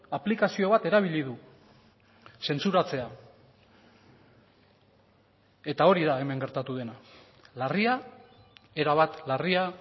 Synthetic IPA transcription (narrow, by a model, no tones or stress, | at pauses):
aplikasio̞βat̪e̞ɾaβ̞iʎiðu | se̞nt͡suɾat͡se̞a | e̞t̪ao̞ɾiðae̞me̞ŋɡe̞ɾt̪at̪uðe̞na | laria | e̞ɾaβat̪laria